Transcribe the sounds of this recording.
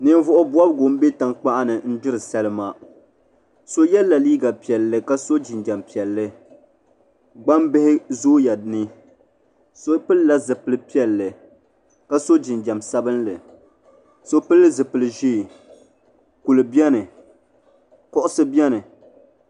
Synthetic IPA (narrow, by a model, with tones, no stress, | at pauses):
nɨ˨n˦vʊ˦ʔʊ˦bwa˦bɡo˨m˦be˦ta˨ŋk͡pa˦ʔa˦nɨ˨n̩˦d͡ʒɪ˦ɾɨ˨sɛ˦lɨ˦ma˦ | so˦jɛ˦lːa˨liː˦ɡa˨pi˨ɛ˨lːɨ˨ka˦so˦d͡ʒi˨nd͡ʒa˨mpi˨ɛ˨lːɨ˦ | ɡ͡ba˦mbɨ˦hɪ˦zoː˦ja˨nɨ˦ | so˦pɨ˦lla˦zɨ˨pɨ˨lɨ˨pi˦ɛ˨lːɨ˨ | ka˦so˦d͡ʒi˨nd͡ʒa˨msa˦bɨ˦nlɨ˨ | so˦pɨ˦lːɨ˦zɨ˨pɨ˨lɨ˨ʒiː˦˨ | ku˨lɨ˨bi˦ɛ˦nɨ˨ | kɔ˦ʔʊ˦sɨ˦bi˦ɛ˦nɨ˨